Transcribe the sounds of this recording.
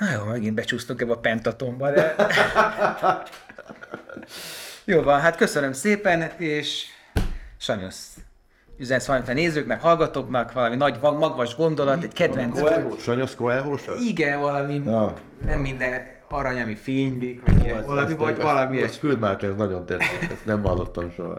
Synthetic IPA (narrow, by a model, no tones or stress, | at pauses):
nojoːmɛɡinbɛt͡ʃuːst̪oŋkɛbɒpɛnt̪ɒt̪o̞mbɒd̪ɛ | joːvɒnɦat̪kø̞sønømseːpɛneːʃ | ʃɒɲos | yzɛnsʋɒit̪ɛneːzøːknɛkhɒlɡɒt̪oːknɒkʋɒlɒminɒɟmɒɡʋɒʒɡo̞nd̪o̞lɒt̪ɛɟkɛd̪vɛnksoʃɒɲoskoɛɦoːʃiɡɛnvɒlɒmi | nɛmːind̪ɛn | ɒɾɒɲɒmifeːɲlikʋɒ̰ɟiɡvlmivɒvɒlɒmikyld̪mark̪ɛnznɒɟo̞nt̪ɛekɛsnɛmɦɒlːot̪ːɒmʃo̰ɦɒ̰